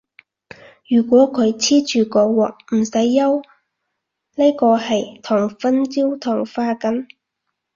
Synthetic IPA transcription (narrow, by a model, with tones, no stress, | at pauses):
jyː˨˩kʷɔː˨˥kʰɵ˨˧ɥt͡sʰiː˥t͡ʃyː˨kɔː˧wɔː˨k̚m̩˨˩sɐ˨˥jːɐ˥w | ne˥jkɔː˧hɐ˨jt̪ʰɔː˨˩ŋfɐ˥nt͡siː˥wt̪ʰɔː˨˩ŋfaː˧kɐ˨˥n